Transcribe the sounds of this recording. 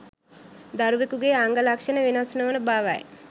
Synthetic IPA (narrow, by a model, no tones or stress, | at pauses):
d̪aɾuʋekuɡeːaŋɡəlakʂənəʋinasnəʋənəbaːʋa̰j